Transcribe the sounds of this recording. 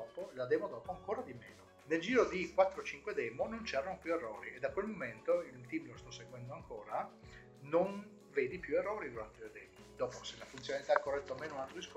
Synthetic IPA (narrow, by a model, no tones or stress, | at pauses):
ɔːpolad̪ɛːmod̪ɔːpoaŋkoːɾad̪imeːno | neld͡ʒiːɾod̪ikwat̪ːɾot͡ʃiŋkwed̪ɛːmonont͡ʃɛːɾanopjuerːɔːɾied̪ːakwelmoment̪oilt̪iːmlost̪ɔsːeɡwɛnd̪oaŋkoːɾa | non | veːd̪ipjuerːɔːɾilolat̪ːoled̪ɛːmid̪ɔːposelːafunt̪sjonalit̪aɛkːorːɛt̪ːoameːnounalt̪ɾoisk